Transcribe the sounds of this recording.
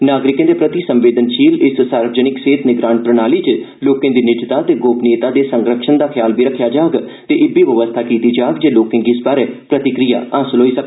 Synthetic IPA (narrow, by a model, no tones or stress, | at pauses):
naːɡɾɪkẽːd̪eːpɾət̪iːsəmʋeːd̪ənʃiːlɪssaːɾʋəd͡ʒənɪkseːt̪nɪɡɾaːnpɾənaːliːt͡ʃ | loːkẽːd̪iːnɪd͡ʒt̪aːt̪eːɡoːpneːt̪aːd̪eːsəŋɡɾəkʃənd̪aːkʰjaːlbiːɾəkʰːjaːd͡ʒaːɡ | t̪eːʔɪbiːʋəʋəst̪ʰaːkiːt̪iːd͡ʒaːɡd͡ʒeːloːkẽːɡiɪsbaːɾeːpɾət̪ɪkɾija̰ːaːsəlɦoːiːsək